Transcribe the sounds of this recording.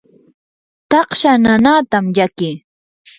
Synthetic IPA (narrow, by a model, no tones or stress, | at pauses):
t̪ɑqʃananat̪amjakɪ